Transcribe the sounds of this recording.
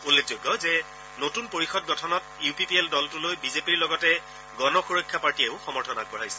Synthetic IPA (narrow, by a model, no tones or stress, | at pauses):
ulːek̚ʰzoɡːɔzɛ | notunpoɹixɔd̚ɡɔtʰɔnɔtjupipieldɔltulojbizepiɹlɔɡɔtɛ | ɡɔnɔxuɹokʰːjapaɹtieʊxɔmɔɹtʰɔnak̚bɔɹajsɛ̥